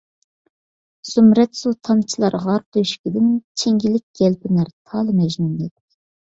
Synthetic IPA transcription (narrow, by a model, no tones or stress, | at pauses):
symɾɛt̪sut̪ʰɑnt͡ʃʰilˠɑɾʁɑɾp̚t̪ʰojʃkʲid̪ɪnt͡ʃʰeŋɡʲilɪk̚ʲɡ̥ʲɛlpɪnæɾt̪ʰɑlˠɨmɛʒnuned̪ɪ